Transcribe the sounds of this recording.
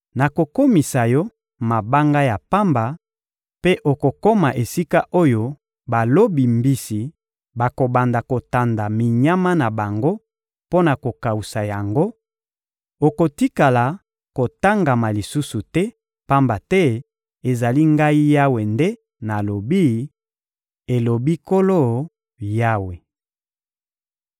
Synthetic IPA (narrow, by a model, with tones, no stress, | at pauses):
na˨ko˨ko˦mi˨sa˨jɔ˦ | ma˨ba˦ŋɡa˦ja˨pa˦mba˨ | pe˦ʔo˨ko˨ko˦ma˨ʔe˨si˦ka˦ʔo˦jo˨ | ba˨lo˦bi˨mbi˦si˨ | ba˨ko˨ba˨nda˨ko˨ta˨nda˨mi˨ɲa˦ma˦na˨ba˨ŋɡo˦ | po˦na˨ko˨ka˨u˨sa˨ja˨ŋɡo˦ | o˨ko˨ti˦ka˨la˨ | ko˨ta˦ŋɡa˨ma˨li˨su˦su˨tɛ˦ | pa˦mba˨tɛ˦ | e˨za˨li˦ŋɡa˦i˦ja˦we˨nde˦ | na˨lo˨bi˦ | e˨lo˨bi˦ko˦lo˦˨ | ja˦we˨